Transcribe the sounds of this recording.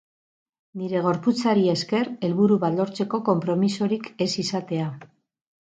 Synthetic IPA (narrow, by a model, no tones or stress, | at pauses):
niɾe̞ɣ̞o̞ɾput͡saɾie̞ske̞ɾe̞lβuɾuβalo̞ɾt͡se̞ko̞ko̞mpɾo̞miso̞ɾike̞sisat̪e̞a